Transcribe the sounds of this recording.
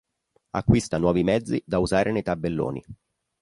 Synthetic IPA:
a̰kːwist̪anwɔːvimɛd̪zːid̪auzaːɾʔenejt̪abːelːo̰ːnḭ

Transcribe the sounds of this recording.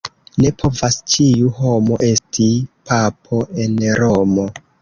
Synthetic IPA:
ne̞pʰo̞vast͡ʃiuɦo̞mo̞ʔe̞stʰipapʰo̞e̞nɾomo̞

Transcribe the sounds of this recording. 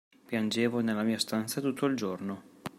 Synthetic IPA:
pjand͡ʒeːvonelːamiːast̪ant̪sat̪ut̪ʰːoild͡ʒorno

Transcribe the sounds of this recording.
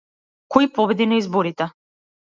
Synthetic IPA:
kɔjpɔvɛd̪inaizbɔɾit̪ɛ

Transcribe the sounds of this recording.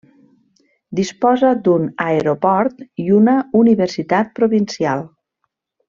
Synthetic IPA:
d̪ispɔzəd̪unaeɾopɔɾt̪iunauniβeɾsit̪at̪̚pɾoβinsialˠ

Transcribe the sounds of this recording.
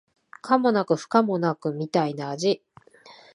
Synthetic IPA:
kʰamo̞nakɯ̟ɸɯ̥kamo̞nakɯ̟mʲit̪ainaːʑi

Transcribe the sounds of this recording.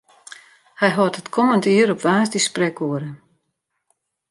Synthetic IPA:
hɛjɦɔtətkʰɔməntiːəɾɔpʋaːzdisprɛkuəɾə

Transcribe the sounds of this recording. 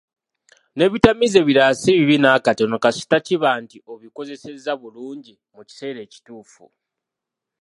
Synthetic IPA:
ne̞βitamize̞βiɾasiβiβinaːkato̞no̞kasi̥taciβaːntiʔo̞βiko̞ze̞se̞zaβuluːɲɟi | muci̥se̞ːɾe̞ːci̥tuːfṵ

